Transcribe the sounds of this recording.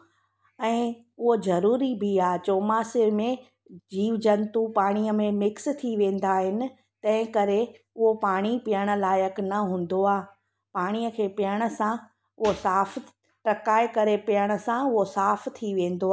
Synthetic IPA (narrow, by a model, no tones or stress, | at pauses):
ɛ̃ː | ʊɦozɐɾuːɾibʱiaːt͡ɕoːmaːsɪɾmẽ | d͡ʑiːʋd͡ʑɐnt̪upaːɽ̃ijəmẽmɪkst̪ʰiʋẽːn̆d̪aɦɪnɪ̆ | t̪ɐ̃ɦɪ̃kɐɾe | ʊɦopaːɽ̃ipɪjəɽ̃ə̆laːjəknɐɦũːn̆d̪oaː | paːɽ̃ijəkʰeːpɪjəɽ̃ə̆sã | ʊɦosaːf | ʈɐkaːɪkɐɾepɪjəɽ̃ə̆sãʊɦosaːft̪ʰiʋẽːn̆d̪oaː